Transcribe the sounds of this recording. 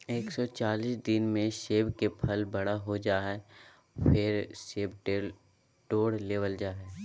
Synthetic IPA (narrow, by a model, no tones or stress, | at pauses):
eːksɔt͡ʃaːliːsd̪ɪnmẽʃeːbkepʰəlbɐɽaɦod͡ʒaːɛ | fɪɾʃeːbʈ | ʈoːɽleːʋəld͡ʒaːɛ